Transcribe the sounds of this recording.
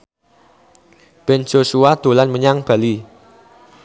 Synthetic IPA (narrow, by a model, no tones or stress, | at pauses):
b̥ɛnd͡ʒ̥osuad̪̥o̤lanməɲaŋb̥a̤li